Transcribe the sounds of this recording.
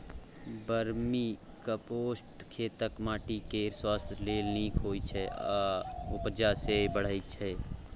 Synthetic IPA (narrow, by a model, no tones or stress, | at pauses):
bəɾmi | kapoːsʈkʰeːt̪əkmaːʈikeɾswaːst̪ʰleːlniːkʰɦoːit͡ʃʰɛaʊpd͡ʒasebəɽ̤ait͡ʃʰɛ